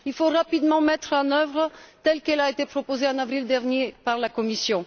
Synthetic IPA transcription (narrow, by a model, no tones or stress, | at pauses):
ilfoʁapid̪mɑ̃mɛt̪χɑ̃nœvʁət̪ɛlkɛlaet̪epχɔpozeɑ̃navʁild̪ɛʁnjepaʁlakɔmisjɔ̃